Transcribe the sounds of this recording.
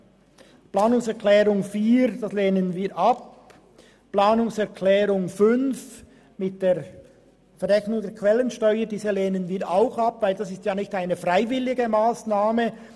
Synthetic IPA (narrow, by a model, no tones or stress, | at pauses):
plaːnʊŋsɛʁkʰlɛːɾʊŋfiːɾd̥asleːnənviːɾʔɑp | plaːnʊŋsɛʁkʰlɛːɾʊŋfʏnf | mɪt̚d̥eːɐ | fɛɾɛçnʊŋdɛːɾkʰv̥ɛlənʃtɔʏədiːzəleːnənviːɐɾaʊxɑpvaɪldɑsɪstjaːnɪçtaɪnəfʁaɪvɪlɪɡəmaːsnaːmə